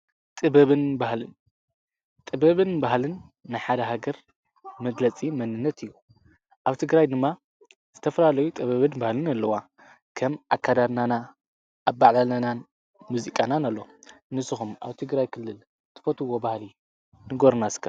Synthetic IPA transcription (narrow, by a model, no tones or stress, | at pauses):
t̪ʼɨbɐβɨnbahlɨn | t̪ʼɨbɐβɨnbahlɨnːajħad̪ɐɦaɡɐɾ | mɐd̪lɐt͡sʼimɐnɨnːɐt̪ɨjːu | ʔaβt̪ʰɨɡɾajd̪ɨmːa | z̥ɨt̪ʰɐfɐlalɐjut̪ʼɨβɐβɨnbahlɨnalːɐwa | kʰɐmʔakʰːad̪adnana | ʔːβːaʕlalanan | muzikʼananalːonɨsɨxumʔa̰βt̪ʰɨɡɾajkʰɨlːɨl | t̪ʰɨ̥fot̪ʰɨwːobahli | nɨɡoɾnaskʰa